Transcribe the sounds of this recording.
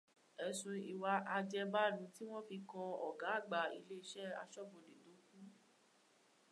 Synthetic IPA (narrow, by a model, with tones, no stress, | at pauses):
ɛ˨sũ˧i˨wa˧ʔa˧d͡ʒɛ˧ba˦dũ˨˦ti˦w̃ɔ̃˦fi˧kɔ̃˧ɔ˨ɡa˨˦a˦˨ɡ͡ba˨ḭ˧le˦i˧˦ʃɛ˦a̰˧ʃɔ˦bõ˨de˨do˨˦kũ˦